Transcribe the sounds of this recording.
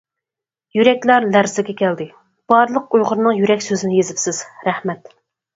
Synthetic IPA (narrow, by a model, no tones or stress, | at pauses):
jyɾɛkʲlæɾlæɾzɪɡʲɛkʲʰɛld̪ɪ | b̥ɑɾlˠəqujʁʊɾnɨŋjyɾɛkʲsøzɪnɪjezɪpsɪz̥ɾɛhmɛt̪